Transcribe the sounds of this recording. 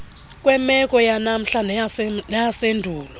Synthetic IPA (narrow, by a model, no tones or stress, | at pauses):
kʼwɛmɛkʼɔjanam̩ɬannajasendʱuːlɔ